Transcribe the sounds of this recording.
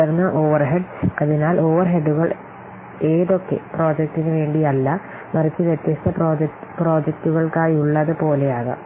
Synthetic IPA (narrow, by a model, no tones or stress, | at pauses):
ɐɾnːɐʔo̞ːʋɐrɦeɖɐðinaːlʔo̞ːʋɐrɦeɖːuɣɐɭ | e̞ːðo̞kːe̞̰pro̞ːd͡ʑɐk̚tːinɨʋe̞ːɳɖiɐlːɐ | mɐrit͡ɕːɨʋjet̪jɐst̪ɐpopro̞ːd͡ʑɐk̚tːuɣɐɭkaːjiuɭːɐðɨpo̞ːle̞jaːɣɐ̰